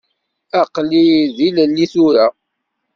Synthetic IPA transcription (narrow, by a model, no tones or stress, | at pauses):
aqliðillːiθʊɾa